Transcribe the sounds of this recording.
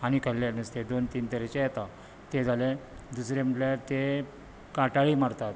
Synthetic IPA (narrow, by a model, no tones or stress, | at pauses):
añikəlːanəst̪ed̪ont̪iːnt̪əɾet͡ɕejɛt̪a | t̪ed͡zʱaled̪usɾem̤əʈlat̪e | kaʈaɭiːmaɽt̪at̪